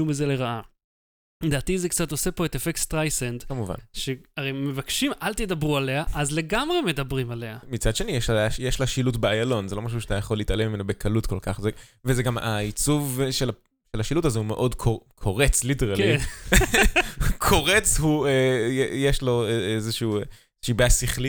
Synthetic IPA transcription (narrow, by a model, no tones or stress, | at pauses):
umizeleʁaʔa | led̪aːt̪izekt͡sat̪o̞se̞po̞et̪efekst̪ʁajsend̪kamuva̰nʃeaʁemevakʃimʔalt̪ed̪abʁualeaʔazle̞ɡamʁeme̞d̪abʁimaleamit͡sad̥̪ʃe̞nijeʃajeʃlaʃilutbeajalo̞nzelomaʃ̬uʃat̪ajaχo̞lːitalemimenobekʰalutko̞lkaχzevezeɡamait͡suvʃela | ʃelaʃilutazeumeʔo̞dkʰokʰo̞ʁet͡sliteʁalli | kʰo̞ʁet͡shuejejeʃlo̞ezeʃuu | ʃibeasiχli